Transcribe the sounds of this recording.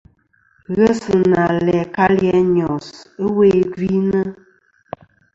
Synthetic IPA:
ɣɛ˦sɨ˨na˨lɛ˨ka˦ljɛ˦ɲɔ˨sə˦we˦ɡi˦nə˦

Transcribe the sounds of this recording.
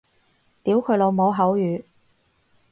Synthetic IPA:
t̪iː˨˥wkʰɵ˨˧lo˨˧wmo˨˧wɦɐ˨˥wjyː˨˧

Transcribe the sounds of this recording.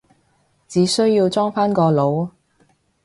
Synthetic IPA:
t͡siː˨˥sɵ˥ɥjiː˧wt͡sɔː˥ŋfaː˥nkɔː˧lo˨˧˥w

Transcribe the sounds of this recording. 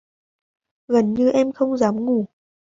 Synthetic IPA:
ɣə˨˩nɲɨ˧ʔɛ˧mxə˧wŋ͡mzaː˨˦mŋu˧˩

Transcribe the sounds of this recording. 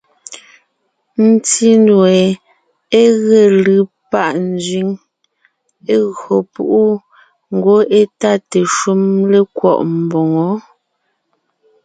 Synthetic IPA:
n̩˦ti˦nwɛ˨ | e˦ɣe˨lɯ˦ | pa˦˨ʔn̩˦zɥi˨˦ŋ | e˦ɣo˨pu˦ʔu˦ | ŋ̩˨ɡo˦e˦ta˦te˨ʃu˦mle˦kwɔ̰˦˨ʔm̩˨bɔ˨ŋɔ˨˦

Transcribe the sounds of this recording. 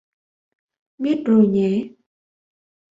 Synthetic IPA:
ɓi˦˥ət̚zo˨˩jɲɛ˨˦

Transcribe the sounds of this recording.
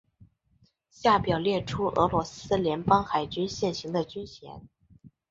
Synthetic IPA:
ɕja˥˩pjɑ˨˩ʊljɛ˥˩ʈ͡ʂʰu˥ʔɤ̰˧˥lwɔ˧˥sɹ̩˥ljɛ˧˥npɑ˥ŋxa˨˩ɪt͡ɕy˥nɕjɛ˥˩nɕi˧˥ŋd̪ə˧t͡ɕy˥nt͡ɕʰjɛ̰˧˥n

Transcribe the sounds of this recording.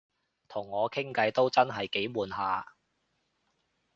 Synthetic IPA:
t̪ʰʊ˨˩ŋːɔː˨˧kʰɪ˥ŋkɐ˨˧jt̪o˥wt͡sɐ˥nɦɐ˨jke˨˥jmuː˨nɦaː˨˧

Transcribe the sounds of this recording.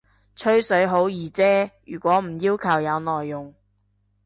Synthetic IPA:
t͡ʃʰɵ˥ɥsɵ˨˥ɥɦo˨˥wjiː˨˩t͡sɛː˥jyː˨˩kʷɔː˨˥m̩˨˩jiː˥wkʰɐ˨˩wjɐ˨˧wnɔː˨˩jːʊ˨˩ŋ

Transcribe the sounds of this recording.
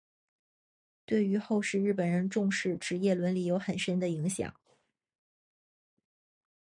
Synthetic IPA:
t̪we˥˩ɪy˧˥xo˥˧ʊʂɻ̩˥˧ɻ̩˥˩pə˨˩nɻə˧˥nʈ͡ʂʊ˥˧ŋʂɻ̩˥˩ʈ͡ʂɻ̩˧˥jɛ˥˩lwə˧˥nli˨˩jo˧˥ʊxə˨˩nʂə˥nd̪ə˨i˧˥ŋɕjɑ̰˨˩˦ŋ

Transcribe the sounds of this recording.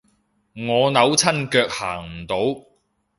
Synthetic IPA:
ŋɔː˨˧nɐ˨˧˥wt͡sʰɐ˥nkœː˧k̚haː˨˩ŋm̩˨˩t̪o˨˥w

